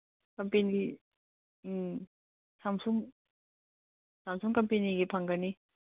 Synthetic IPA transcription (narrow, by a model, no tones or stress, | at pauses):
kɐmpenii | samsuŋ | samsuŋkɐmpeniɡipʰaŋɡɐni